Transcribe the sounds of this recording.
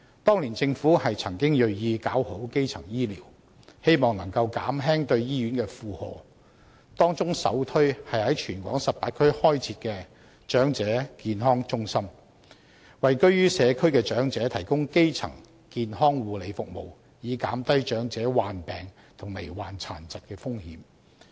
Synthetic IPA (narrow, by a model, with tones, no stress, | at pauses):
t̪ɔː˥ŋliː˨˩nt͡sɪ˧ŋfuː˨˥hɐ˨jt͡sʰɐ˨˩ŋkɪ˥ŋjɵ˨ɥjiː˧kaː˨˥who˨˥wke˥jt͡sʰɐ˨˩ŋjiː˥liː˨˩w | he˥jmɔː˨ŋnɐ˨˩ŋkɐ˧wka̰ː˨˥mɦɛː˥ŋt̪ɵ˧ɥjiː˥jyː˨˥nkɛː˧fuː˧hɔ̰ː˨˩ | t̪ɔː˥ŋt͡sʊ˥ŋsɐ̰˨˥wt̪ʰɵ˥ɥhɐ˨jhɐ˨˥jt͡ʃʰyː˨˩nkʷwɔː˨˥ŋsɐ˨p̚paː˧t̚kʰɵ˥ɥhɔː˥jt͡sʰiː˧˥t̚kɛː˧ | t͡ʃœː˨˥ŋt͡sɛː˨˥kiː˨nɦɔː˥ŋt͡ʃʊ˥ŋsɐ˥m | wɐ˨jkɵ˥ɥjyː˥sɛː˨˧kʰɵ˥ɥkɛː˧t͡ʃœː˨˥ŋt͡sɛː˨˥t̪ʰɐ˨˩jkʊ˥ŋke˥jt͡sʰɐ̰˨˩ŋ | kiː˨nɦɔː˥ŋwuː˨˧le˨˧jfʊ˨k̚mo̰˨˩w | jiː˨˧kaː˨˥mt̪ɐ˥jt͡ʃœː˨˥ŋt͡sɛː˨˥waː˨npɛː˨ŋ | t̪ʰʊ˨˩ŋme˨˩jwaː˨˩nt͡sʰa̰ː˨˩nt͡sɐ˨t̚kɛː˧fʊ˥ŋhḭː˨˥m